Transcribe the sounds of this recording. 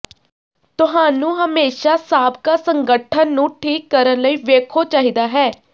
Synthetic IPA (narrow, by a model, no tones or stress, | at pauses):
t̪ʊɦaːnũːɦəmeːʃaːsaːb̚kaːsəŋɡəʈʰənːũːʈʰiːkːəɾənləiːʋeːkʰoːt͡ʃaːɦiːd̪aːɦɛː